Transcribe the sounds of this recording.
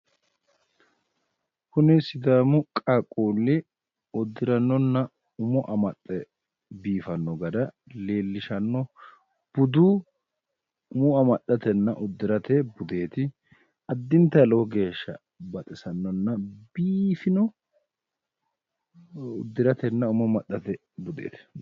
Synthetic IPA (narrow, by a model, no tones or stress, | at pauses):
kʊnɪsɪd̪aːmʊkʼakʼuːlːɪ | ɔd̪ːɪɾɐnːɔnːɐ | ʊmɔʔɐmɐt̪ʼːɛ | biːfɐnːɔɡɐd̪ɐ | leːlːɪʃɐnːɔ | b̥ʊd̪uː | ʊmɔɐmɐɗːɐt̪ɛnːɐʔʊd̪ːɪɾɐt̪ɛbʊd̪e̞ːt̪ɪ | ɐd̪ːɪnt̪ːɐloɡe̞ːʃːɐ̰ | bɐt̪ʼɪsɐnːɔnːɐbiːfɪnɔ | ʊd̪ːɪɾɐt̪ɛnːɐʊmɔmɐɗːɐt̪ɛ | bʊd̪ḛːt̪ɪ̥